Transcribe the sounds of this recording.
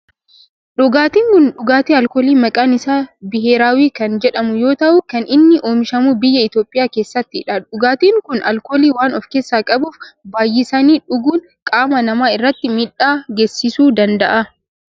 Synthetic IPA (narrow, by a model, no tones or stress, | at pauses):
ᶑʊɡaːt̪iːŋkʊnᶑʊɡaːt̪iːɐlkoːliːmɐkʼaːnɪsaːbɪɦeːɾaːwiːkɐnd͡ʒɛᶑɐmʊjo̞ːt̪ɐʔʊkɐnʔɪnːɪʔo̞ːmɪʃɐmuːbɪjːɐɪt̪o̞ːpʼːɪjaːkeːsːɐt̪ːɪᶑɐᶑʊɡaːt̪iːŋkʊnɐlkoːliːwaːnɔfke̞ːsːaːkʼɐbuːfbaːjːɪsɐniːᶑʊɡuːn | kʼaːmɐnɐmaːɪrːɐt̪ːɪmɪᶑaːɡesːɪsuːd̪ɐnd̪ɐʔɐ